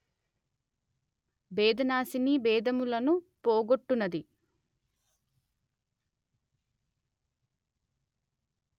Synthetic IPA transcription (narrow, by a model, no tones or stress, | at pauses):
bɛːd̪ʱɐnaːsinibɛːd̪ʱɐmulɐnupoːɡoʈːunɐd̪i